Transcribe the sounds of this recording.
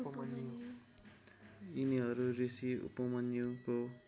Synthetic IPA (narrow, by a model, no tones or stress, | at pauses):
pʌmʌnji | iniɦʌɾuɾisiṵpʌmʌnjuko